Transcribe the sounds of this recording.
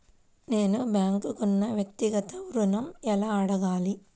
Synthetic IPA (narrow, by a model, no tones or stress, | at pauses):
neːnubjaːŋkukunːɐʋjɐk̚t̪iɡɐt̪ɐʋuɾunɐmɛlaɐɽɐɣaːli